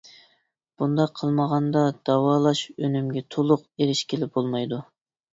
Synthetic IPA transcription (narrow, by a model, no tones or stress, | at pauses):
b̥und̪ɑqʰːəlˠməʁɑnd̪ɑd̪̥ɑwɑːlˠɑʃønymɡʲɛt̪ʰolˠʊqeɾɪʃkʲʰɪlɪbolˠmɑjd̪u